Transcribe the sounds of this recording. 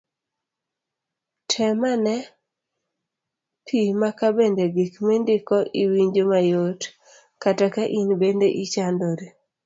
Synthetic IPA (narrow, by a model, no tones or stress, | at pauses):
tʰɛmanɛ | pʰimakabendeɡikmendɪkɔʔiwiɲd͡ʒomajot | katakaʔinbendeʔit͡ʃandoɾe